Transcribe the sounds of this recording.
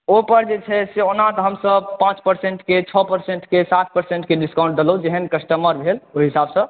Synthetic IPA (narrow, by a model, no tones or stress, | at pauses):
opəɾd͡ʒet͡ʃʰɛseonat̪ɔɦəmsəb̚pãt͡ʃpəɾseɳʈket͡ʃʰɔpəɾseɳʈkesat̪̚ʰpəɾseɳʈkeɖiskãw̃ɳʈ̚d̪eloud͡ʒeɦənkəsʈəməɾbʱeloɦisabsə̃